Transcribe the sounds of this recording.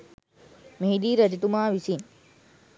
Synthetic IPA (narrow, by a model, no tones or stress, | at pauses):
meɦiɗ̪iːɾɐd͡ʑt̪umãːʋisiːn